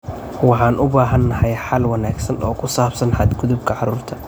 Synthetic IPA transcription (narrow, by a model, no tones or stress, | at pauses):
wɑħɑːnʔʊbaːɦɐnːɐhɛjħɑlwɑnaːɡsɐnɔ̰ːkʰʊsaːbsɐnħɑd̪ɡʊðʊbkʰɐʕɑɾuːrt̪ʰɐ̥